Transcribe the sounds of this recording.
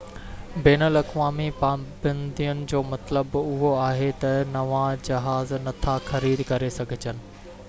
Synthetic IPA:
beːnəlɐkʋaːmipaːbɐ̃nd̪ijʊnɪ̆d͡ʑoːmɐt̪ləbʊɦoaːɦet̪ɐnɐʋãd͡ʑɐɦaːznɐt̪ʰaxɐɾiːd̪kɐɾesɐɡʱɪt͡ɕənɪ̆

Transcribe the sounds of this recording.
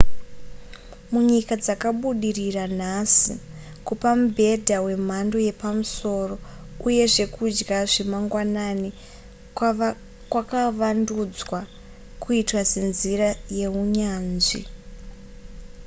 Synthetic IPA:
muɲikad͡zakaɓuɗiriran̤asḭ | kupamubʱe̞dʱawe̞m̤ando̞je̞pamuso̞ːro̞ | uje̞ʐe̞kud͡ʒɡaʐemaŋɡwanani | kwakaʋandud͡zwa | kuitwase̞nziraje̞ɦuɲaːnʐḭ

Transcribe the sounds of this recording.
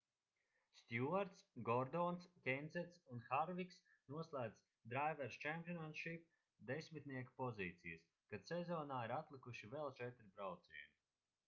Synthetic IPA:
st̪ʲjuaɾt̪sɡɔɾd̪ɔːnskʲenzɛt̪sunxaɾviks | nuɔslˠaːd̪s | d̪ɾajvɛɾst͡ʃæmpʲjɔnat̪ʃip̚ | d̪esʲmit̪nʲiɛkḁpɔziːt̪sḭjɐs | kad̪sezɔːnaːiɾat̪lˠikuʃivelˠt͡ʃɛt̪ɾibɾawt̪sḭuni

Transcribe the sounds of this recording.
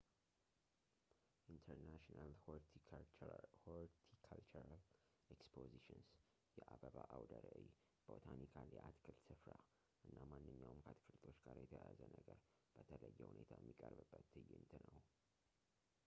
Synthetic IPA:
ʔint̪ʰəɾnaʃinal | hoɾt̪ʰikʰalt͡ʃuɾal | eɛkspʰoziʃɨns | jɛʔabəβaʔawd̪əɾəʔj | b̥ot̪ʰanikʰaljɛʔat̪kʰɨlsɨfɾa | ʔɨnːamanːɨɲːawmkʰat̪kʰɨlt̪ʰo̞t͡ʃɡ̥aɾjɛt̪ʰəjazənəɡəɾ | b̥ət̪ʰələjːɛhunet̪ʰajɛmːikʼəɾbɨbːət̪ɨjːɪnt̪ʰɨnəw

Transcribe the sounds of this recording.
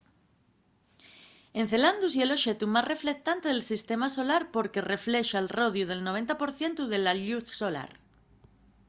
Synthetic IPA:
e̞nθe̞land̪usjelo̞ʃet̪umazre̞fle̞k̚t̪ant̪eð̞elsist̪e̞maso̞laɾpo̞ɾke̞re̞fleʃaelro̞ðjuð̞e̞lnoβent̪apo̞ɾθje̞nt̪uð̞e̞laʎuθsola̰ɾ

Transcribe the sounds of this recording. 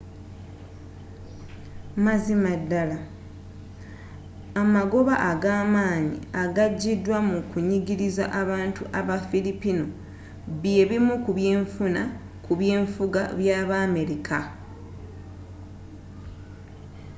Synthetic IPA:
mazimadːala | amaɡo̞βaʔːɡaːmaːɲḭaɡaɟːidwamukuɲiɡiɾiza̰ʔaβaːntuʔaβafilipino̞ | βje̞βimukuβje̞ːɱfuna | kuβje̞ːɱfuɡa̰βjaːβaːme̞ɾikʰa

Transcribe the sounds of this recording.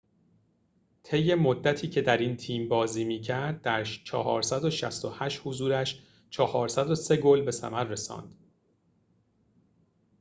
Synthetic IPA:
t̪ʰe̞jːe̞mod̪ːæt̪ʰiːcʰe̞d̪æɾint̪ʰiːmbɒːziːmiːcʰæɾd̪̚ːæɾt͡ʃʰɒ̰hɒ̰ːɾsæd̪o̞ʃæ̰st̪ohæʃhozuːɾæʃ | t͡ʃʰɒhɒːɾsæd̪o̞se̞ɡolbe̞sæ̰mæɾːe̞sɒ̰ːnd̪̥

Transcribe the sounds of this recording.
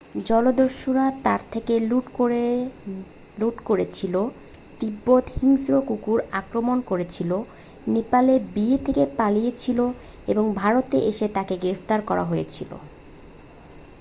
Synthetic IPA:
d͡ʑɔlod̪oʃoɾat̪aɾt̪ʰekeluʈo | luʈkoɾet͡ɕʰilo | t̪ibːot̪hiŋsɾokukuɾakɾomonkoɾet͡ɕʰilo | nepalebiet̪ʰekepalijet͡ɕʰilo | eboŋbʱaɾot̪ḛʔeʃet̪akeɡɾeft̪aɾkɔɾa̰ɦojet͡ɕʰilo̰

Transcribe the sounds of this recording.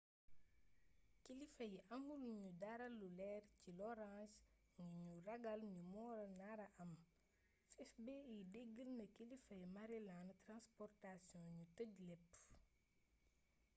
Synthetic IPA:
kilifɐjʔɐŋɡuluɲudaɾɐlːulɛːrcilɔɾãːs | ɲuɲurɐɡɐlɲumɔːɾɐnaːɾɐʔɐm | fɛfbeideɡːəlnɐkːilifɐjmɐɾilaːntɾãnspɔrtasjɔ̃ɲutəɟlɛpː

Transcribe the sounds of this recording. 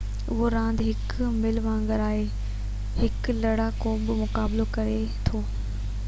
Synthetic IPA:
ʊɦoɾãːnd̪ɦɪk | mɪlʋãːŋɡəɾaːɦe | hɪklɐɽakoːɓɪmʊkaːblokɐɾe | t̪ʰoː

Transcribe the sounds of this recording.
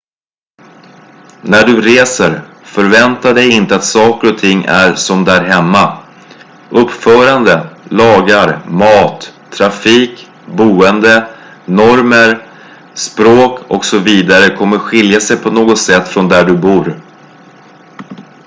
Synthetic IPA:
næɖɵɾeːsəɾ | fœɾvɛnt̪aɖɛjɪnt̪əat̪sɑːkəɾɔt̪ʰɪŋːæ̰ɾsɔmd̪æɾɦɛmːa | ʔɵpːfœːɾand̪əlɑːɡaɾmɑːt̪ʰː | ɾafiːk | buːənd̪ə | nɔɾməɾ | spɾoːkʰɔksɔviːd̪aɾəkʰɔmːəɾɧɪljasɛjpʰɔnoːɡɔt̪sɛt̪ːfɾɔnd̪æɖɵbuːɾ

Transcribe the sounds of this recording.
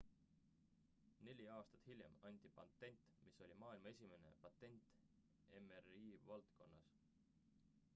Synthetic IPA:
ne̞lʲiɑːst̪ɑ̥t̪hilʲjemɑnʲd̪̥ipɑ̰nt̪ːe̞nʲt̪ˑmiso̞lʲimɑːilmɑe̞sʲime̞ne̞̰pɑt̪ːˑe̞nʲt̪ | e̞meriːvɑlt̪ko̞̰nːɑs

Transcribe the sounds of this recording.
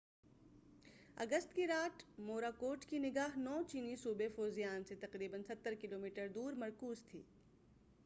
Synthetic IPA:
ɐ̰ɡəst̪kiɾaːʈmoːɾaːkoːʈkinɪɡaːɦnɔːt͡ʃiːnisuːbefoːzijaːnset̪ɐqɾiːbənsɐt̪ːəɾkɪloːmiːʈəɾd̪uːɾmɐɾkuːzt̪ʰḭː

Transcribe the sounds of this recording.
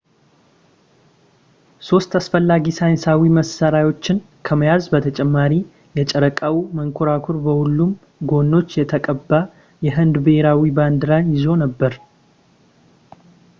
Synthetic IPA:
so̞st̪asfəlːaɡisajɪnsawiməsaɾajwo̞t͡ʃːɪn | kʰəməjazbət̪ʰət͡ʃʼɛmːaɾi | jɛt͡ʃʼɛɾəkʼawiməŋkʰoɾakʰuɾbəhulːum | ɡo̞nːo̞t͡ʃːjɛt̪ʰəkʼəbːa | jɛɦɨnd̪bheɾawiband̪ɨɾanjɪzo̞nəbːəɾ

